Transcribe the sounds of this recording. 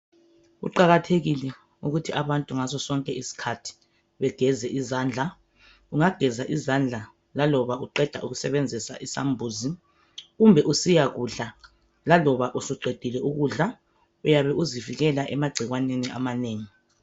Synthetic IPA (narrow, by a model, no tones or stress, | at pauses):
ṵǃaɣatʰeɣilɛ | uɣutʰiaβantʼuŋasɔsɔŋkʼɛisi̥kʰatʰi̥ | βɛɡ̥ʱɛzɛʔizaːnd͡ɮʱa | uŋaɡ̥ʱɛzaʔizand͡ɮʱa | lalɔβauǃɛd̥ʱa̰ʔuɣusɛβend͡zʱisa̰ʔisa̰mbʱuzi | ɣumbʱɛʔusijaɣuɮa | lalɔβaʔusiɡ͡ǃʱed̥ʱilɛʔuɣuɮa | ujaβɛʔuziviɣɛlaʔɛmaɡ͡ǀʱiɣwaneniʔa̰maneːŋi